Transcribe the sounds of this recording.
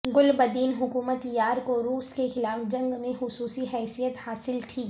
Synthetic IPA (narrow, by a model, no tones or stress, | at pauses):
ɡʊlbɐd̪iːnɦʊkuːmət̪jaːɾkoɾuːskexɪlaːfd͡ʒɐ̃ŋɡmẽxʊsuːsiɦɛːsijət̪haːsɪlt̪ʰiː